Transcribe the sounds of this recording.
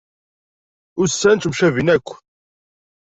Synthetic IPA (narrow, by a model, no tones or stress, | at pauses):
ʊsːænt̪mʃævinækʷː